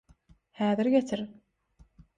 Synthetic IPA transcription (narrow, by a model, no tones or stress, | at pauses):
hæːðɪɾɡet̪ʰɪɾ